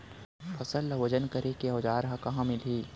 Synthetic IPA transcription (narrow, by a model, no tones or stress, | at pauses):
fʰɐsəlːɐʋɐd͡ʒənkɐɾekiɔːd͡ʒaːɾɦãkɐɦãmɪlɦiː